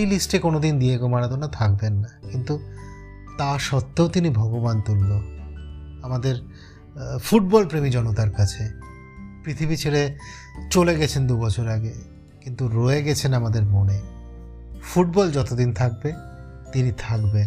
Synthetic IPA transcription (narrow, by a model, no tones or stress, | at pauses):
ejlisʈekonod̪ind̪iekomaɽad̪onat̪ʰak̚benːakint̪u | t̪aʃɔt̪ːeot̪inibʱɔɡobant̪ulːo | amad̪eɾ | fuʈ̚bɔlpɾemid͡ʑɔnot̪aɾkat͡ɕʰe | pɾit̪ʰibit͡ɕʰeɽe | t͡ɕoleɡɛt͡ɕʰend̪ubɔt͡ɕʰoɾaɡe | kint̪uɾoeɡɛt͡ɕʰenamad̪eɾmone | fuʈ̚bɔld͡ʑɔt̪od̪int̪ʰak̚be | t̪init̪ʰakben